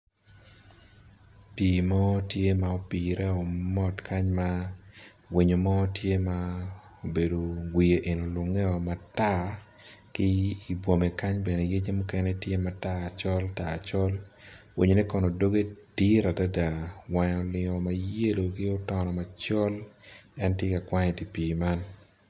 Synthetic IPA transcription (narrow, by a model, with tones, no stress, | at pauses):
pi˨mɔ˦tje˦ma˨o˨pi˨ɾʔɛ˦ɔ˨mɔ˦tkʰa˦ɲma | wi˨ɲo˨mɔ˦tje˦mao˨be˨do˨ɡwi˨je˨ʔe˨no˨lʊ˨ŋɛ˦ɔ˨ma˨ta˦ | kɪ˦i˨bwo˨mɛ˨ka˦ɲbɛ˨ne˨je˦d͡ʒe˦mu˦kɛ˦nɛ˦tje˦ma˨taː˦˨t͡ʃɔ˦lta˨t͡ʃɔ˦l | wi˨ɲo˨ni˦kɔ˨nɔ˨do˦ɡe˦d̥i˦ɾa˨da˦da˨wa˨ɲɔ˨lɪ˨ŋɔ˨ma˨je˦lo˨ɡɪ˦ɔ˦tɔnɔ˨ma˨t͡ʃɔ˦lɛ˦ntje˦ka˨kwa˦ɲɛ˨di˨piː˨ma˦n